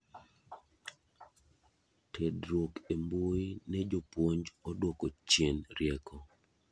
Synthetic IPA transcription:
tʰedɾwokemboinɛd͡ʒopwoɲd͡ʒɔdwɔkɔt͡ʃjenɾjɛkɔ

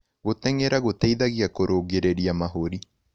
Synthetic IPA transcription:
ɣotɛŋeɾaɣotɛiðaɣiakoɾʔoːɣeɾeɾiamaɦoɾi

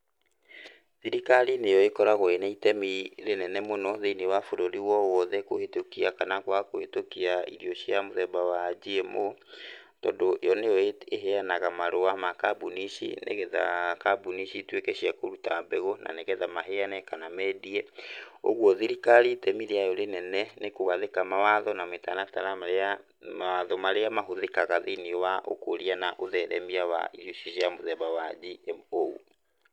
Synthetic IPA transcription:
ðiɾikaɾinejɔekɔɾaɣoenɛitɛmiɾenɛnɛmonɔðeinewafoɾoɾiwɔwɔðɛkohetokiakanakwakohetokiaḭɾiɔɕjamoðɛbawad͡ʑiemo | tɔndojɔnejɔeeɦeanaɣamaɾowamakabuniʃḭnḛɣɛða̰kabuniʃitwekɛʃiakoɾutabɛɣonʔa̰neɣɛðamaɦeanɛkanamɛdiɛo̰ɣwɔðiɾikaɾitɛmiɾeajoɾenɛnɛnekoɣaðekamawaðɔnametanataɾaaɾa | awaðɔmaɾeamaɦoðekaɣaðeniwaʔo̰koɾianaʔoðɛɾɛmiawa̰iɾuʃiʃiamoðɛβawad͡ʒioṵ

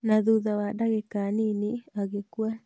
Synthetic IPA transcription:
naðuðawadaɣekaniniaɣekwa

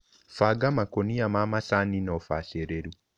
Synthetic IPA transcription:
faɡamakoniamamasaninɔfaseɾeɾu

